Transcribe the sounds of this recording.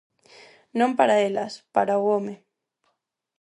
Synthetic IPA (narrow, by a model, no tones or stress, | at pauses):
nõmpaɾaelaspaɾaɣome